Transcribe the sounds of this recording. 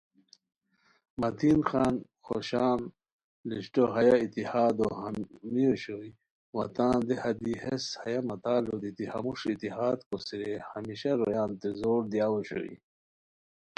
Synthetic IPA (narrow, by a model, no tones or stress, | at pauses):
mɐt̪ʰinxaːn | xo̰ɕaːn | liɕʈoɦɐjait̪ihaːd̪ohamioɕoj | wɐt̪ãːnd̪ehɐd̪iheshɐjamɐt̪aːlod̪it̪ihɐ̰muʂit̪ihaːd̪kosiɾehɐmiɕɐɾojaːnt̪ezoːɾd̪jaːwoɕo̰ḭ